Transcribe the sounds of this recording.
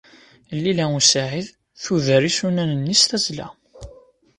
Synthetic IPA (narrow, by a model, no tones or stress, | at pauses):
lːilæusaʕið | θuðəɾisunænənːist̪æzlæ̰